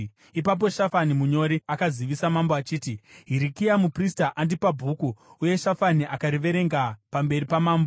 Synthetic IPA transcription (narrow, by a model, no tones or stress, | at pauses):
ipap̬o̞ʃafanimuɲo̞ɾiakaziʋisamamboat͡ʃiːtiɦiɾikiamupristaʔandipabʱukuuje̞ʃafaniʔakaɾiʋe̞ɾe̞ŋɡapambe̞ɾipamaːmbo